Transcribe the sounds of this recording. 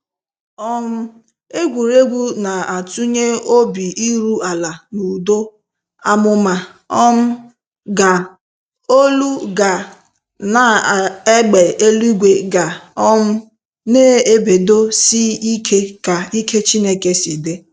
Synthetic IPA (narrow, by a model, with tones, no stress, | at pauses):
ɔ˦m̩˦ | e˦ɡʷu˨ɾe˦ɡʷu˦na˨a˨tu˦ɲe˦o˦bi˨i˦ɾu˦a˨la˨nu˨do˦ | a˦mʊ˦ma˨ | ɔ˦m̩˦ | ɡa˨ | o˦lu˦ɡa˨ | na˨e˦ɡ͡be˨ʔe˦lu˦i˦ɡʷe˨ɡa˨ɔ˦m̩˦ | neː˦e˦be˨do˦si˦i˦kʰe˦ka˨i˦kʰe˦t͡ʃi˦ne˦ke˦si˨de˦